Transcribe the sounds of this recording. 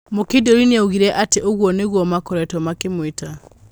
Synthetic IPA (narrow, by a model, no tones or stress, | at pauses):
mokedoɾineaoɣiɾɛʔateʔoɣwɔneɣwɔmakɔɾɛtɔmakemweta